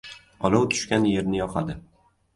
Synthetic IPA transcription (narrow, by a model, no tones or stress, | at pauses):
ɒlˠawt̪ʰʊ̥ʃkʲanje̞ɾnɪjɒqʰad̪ɪ